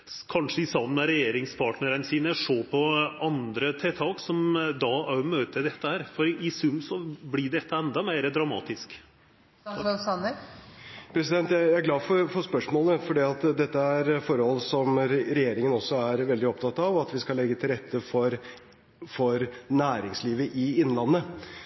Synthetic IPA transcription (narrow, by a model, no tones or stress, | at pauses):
kʰɑnʂəɪsɑmnəɾɛjeːɾɪŋspʰɑʈnəɾənsiːnəʂoːpʰɔɑnd̪ɾət̪ʰɛt̪ʰɑːksɔmd̪ɑʔæɾmøːt̪əd̪ɛt̪ːəhæːɾfɔɾɪsʉmsɔblɪɖɛt̪ːəɛnd̪ɑmeɪɾəd̪ɾɑmɑ̰ːt̪ɪsk | sɑnə | pʰɾɛsɪd̪ɛnt̪jæɪææɾɡlɑːfɔɾfɔspœʂmoːləfɔɖiːɑt̪d̪ɛt̪ːəæɾfɔɾhɔlsɔmɾɛjeːɾɪŋənɔsːɔæɾʋɛld̪ɪɔpt̪ʰɑt̪ːɑʋɑt̪ʋɪskɑlɛɡːət̪ʰɪlɾɛt̪ʰːəfɔɾ | fɔɾnæːɾɪŋsliːʋəʔɪɪnːlɑnːə